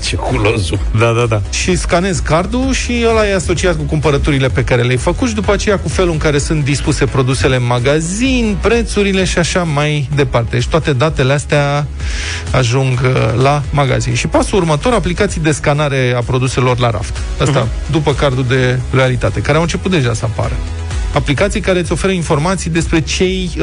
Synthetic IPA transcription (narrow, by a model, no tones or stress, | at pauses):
t͡ʃekulozu | d̪ad̪ad̪a | ʃiskane̞zkard̪uʃiəlajaso̞t͡ʃiat̪kukumpəɾət̪uɾile̞pe̞kaɾe̞leajfəkut̪ʃid̪upəat͡ʃe̞jakufe̞luɨŋkaɾe̞sunt̪̚d̪ispuse̞pɾo̞d̪use̞le̞ɨnmaɡazinpɾe̞t̪suɾile̞ʃiaʃamajd̪e̞part̪e̞et͡ʃt̪at̪e̞d̪at̪e̞least̪ea | aʒuŋɡlamaɡa̰zḭnʃipasuurmət̪o̞ɾaplikat̪sijd̪e̞skanaɾe̞apɾo̞d̪use̞lo̞rlaɾa̰ft̪ | əst̪a | d̪upəkard̪ud̪e̞lo̞jalit̪at̪e̞kaɾeawɨnt͡ʃe̞put̪̚d̪eʒasəapa̰ɾə | aplikat̪sijkaɾet̪ʲo̞fe̞ɾəinfo̞rmat̪sijd̪e̞spɾe̞t͡ʃe̞j